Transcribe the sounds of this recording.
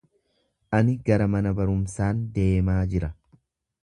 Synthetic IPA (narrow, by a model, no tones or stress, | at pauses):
ʔɐnɪɡɐɾɐmɐnɐbɐɾʊmsaːnd̪e̞ːmaːd͡ʒɪɾɐ